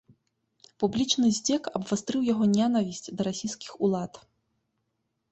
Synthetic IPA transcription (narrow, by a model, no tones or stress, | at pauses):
publʲit͡ʂnɨzʲd͡zʲɛkɐbvast̪ɾɨwjaɣɔnʲanavʲisʲt͡sʲd̪ɐɾasʲijskʲixulˠat̪